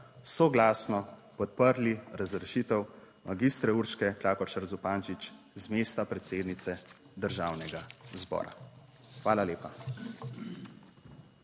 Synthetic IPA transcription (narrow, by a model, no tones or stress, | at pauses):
sɔɡlaːsnɔpɔt̪̚pəɾliɾazɾɛʃiːt̪əw | maɡist̪ɾɛuɾʃkɛklaːkɔʃaɾzupaːnt͡ʃit͡ʃ | zmeːst̪apɾɛt̪seːd̪nit̪sɛ | d̪əɾʒaːwnɛɡazbɔ̰ːɾa̰ | xʋaːlaleːpa